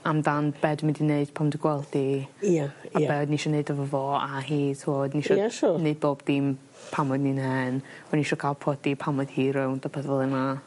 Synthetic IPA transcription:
amdanbɛdmɪndineɨd̥pʰamdɪɡwɛlˠdiaabɛɔdniʃɔneɨdəvəvoːaɦiːtʰuɔdniʃɔɛʃʊneɨd̚boːbdɪm | pʰamɔdninɛnɔniʃɔkʰaːlˠpʰrɔdipʰamɔd̥hiːɾɪwnd̥ɔpʰəðɔlˠəna

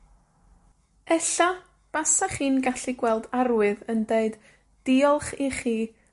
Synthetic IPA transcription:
ɛɬa | b̥asaχiːnɡaɬiɡwɛlˠdarwɨðəndeɨd | d̥iɔlˠχiχiː

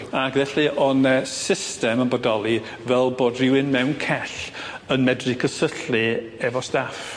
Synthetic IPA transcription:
aɡ̥vɛɬɨʔɔnɛsɪstɛmənbɔdɔlˠi | vɛlˠboːdrɪwɪnmɛwnkʰɛɬ | ənmɛdrikʰəsəɬlɨ | ɛvɔstaf

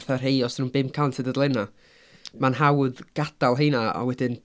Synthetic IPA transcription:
θar̥ɦejɔsnuːnbɪmkʰantʰɨdədlˠɛna | manɦawðɡ̥ad̥alˠɦejnaɔ̰wɛdɪn

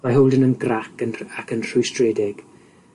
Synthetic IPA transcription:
maɦowlˠdənənɡrakənakʰənr̥ʊjstrɛdɛɡ̥

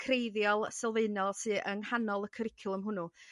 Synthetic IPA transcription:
kʰrejðjɔlˠsɛlˠveɨnɔlˠsɨʔəŋhanɔlˠəkʰəɾɪkʰʊlˠəmɦʊnʊ

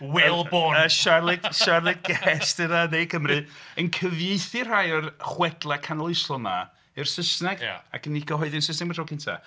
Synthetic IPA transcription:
wɛlˠboəʃarlˠɪɡʃarlˠɪɡ̚ɡɛstɨðaðejkʰəmrɨənkʰəvjeɨθɨr̥ajərχwɛdlˠakʰanlˠɪjslˠɔna̰ | ɨrsəsnɛɡ̰a̰kənikʰɔɦɔɨðɪnsəsnɛɡmɛdʰrɔkʰɪntʰa̰

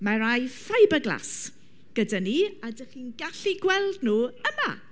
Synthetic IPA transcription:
maɾajfajbəɡlˠa̰s | ɡ̥ədaniadəχiːnɡaɬiɡwɛlˠdnuːəma̰

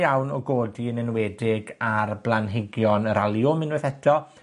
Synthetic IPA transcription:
jawnɔɡoːdiənɛnwɛdɪɡarblˠanɦɪɡjɔnəɾalˠjʊmɪnwɛθɛtʰɔ

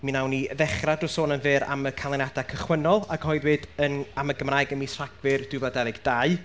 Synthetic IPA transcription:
minawniðɛχradʊsoːnənvɨɾa̰məkʰalˠɛnadakʰəχwənɔlˠaɡ̥ɔɨðwɨdənaməɡəmraːjɡəmisraɡvɨrd̥ɪvɔdɛvɨɡd̥aɨ

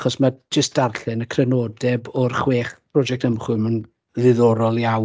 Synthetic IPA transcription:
χɔsmad͡ʒəst̚d̥arɬɨnəkʰrɛnoːdɛbɔrχweːχpʰrɔd͡ʒɛk̚təmχʊmən | ðɨðɔɾɔlˠjaw

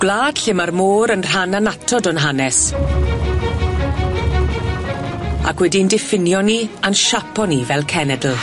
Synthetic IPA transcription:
ɡ̥lˠaːd̥ɬɪmarmoːɾənr̥ananatʰɔdɔnɦanɛs | a̰kʰwɛdindɪfɪnjɔnianʃapɔnivɛlˠkʰɛnɛdl̩ˠ

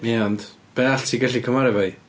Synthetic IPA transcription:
miɔnd | b̥ɛaɬtʰiɡɛɬikʰəmaɾɛvaj

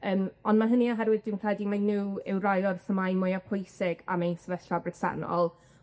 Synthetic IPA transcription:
əːmɔndmaɦəniɔɦɛrwɪd̚dɪwnpʰr̥ɛdimajnuːɪwrajɔrθəmajmʊjapʰʊjsɪɡa̰mejnsəvɛɬabrɪsa̰nɔ̰lˠ

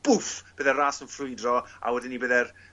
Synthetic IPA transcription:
b̥ʊfb̥əðɛraːsənfrʊɨdrɔa̰wɛdɪnibəðɛr

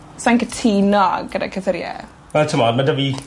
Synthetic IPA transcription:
saŋkətʰinɔ̰ɡəda̰kʰəθəɾjɛ̰ | wɛlˠtʰəmɔd̚madəvi

